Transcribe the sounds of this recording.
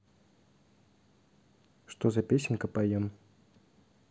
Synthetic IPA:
ʂt̪ozɐpʲesʲɪnʲkəpajem

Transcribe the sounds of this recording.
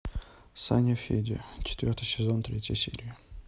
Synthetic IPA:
sa̰nʲəfʲḛdʲɪ̰t͡ɕɪ̥t̪vʲort̪ɨjsʲɪzont̪ɾʲetʲjə̰jsʲḛɾʲɪɪ

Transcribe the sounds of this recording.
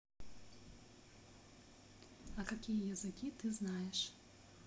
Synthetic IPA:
ɐkakʲijɐjɐzɨkʲit̪ɨznajɛʂ

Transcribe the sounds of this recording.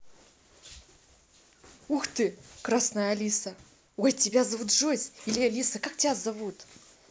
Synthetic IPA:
uxt̪ɨkrasnajəɐlʲisə | ojtʲɪbʲazɐvut̪ʐozʲilʲɪalʲisəkak̚tʲɪbʲazɐvut̪

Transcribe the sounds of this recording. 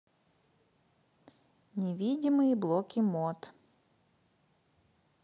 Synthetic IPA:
nʲɪvʲidʲɪmɨjɪblˠɔkʲimɔt̪

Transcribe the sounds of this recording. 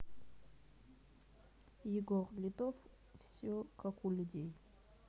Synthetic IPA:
jɪɡɔrlʲɪd̪of | fsʲokakulʲudʲej

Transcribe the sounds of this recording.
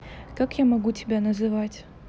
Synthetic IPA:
kakjamɐɡutʲɪbʲanəzɨvatʲ

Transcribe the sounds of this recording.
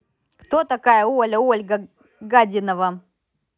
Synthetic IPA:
kt̪ot̪ɐkajəolʲəolʲɡə | ɡadʲɪnəvə

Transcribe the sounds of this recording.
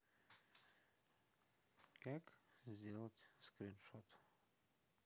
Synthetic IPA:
kakzʲdʲelˠətʲskɾʲɪnʃot̪

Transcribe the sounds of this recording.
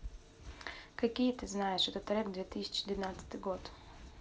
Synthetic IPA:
kɐkʲijət̪ɨznajɪʂɛt̪ət̪ɾʲɛkd̪vʲet̪ɨsʲɪ̥t͡ɕɪd̪vʲɪnat̪sə̥t̪ɨjɡot̪

